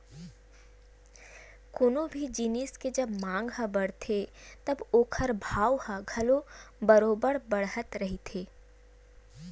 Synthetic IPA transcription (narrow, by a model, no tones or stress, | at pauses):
koːnobʱid͡ʒiːnisked͡ʒɐbmãːŋɡɦəbəɽ̤t̪ʰet̪ɐboːkʰəɾbʱaːwhə̃ɡʱɐlobɐɾoːbəɽbɐɽɦət̪ɾɐɦit̪ʰeː